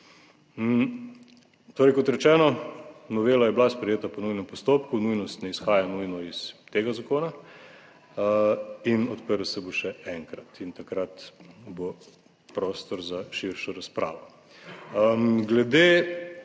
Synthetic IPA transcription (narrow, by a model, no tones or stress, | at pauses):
t̪oːɾɛjkɔt̪ɾɛt͡ʃɛːnɔnɔʋeːlajɛblaspɾɛjeːt̪apɔnujnɛmpɔst̪oːpkunujnɔst̪nɛisxaːjanujnɔist̪eːɡazakoːna | inɔt̪pəɾlsɛboʃɛɛŋkɾat̪int̪akɾat̪bo | pɾoːst̪ɔɾzaʃiɾʃɔɾaspɾa̰ːʋɔ | ɡlɛd̪e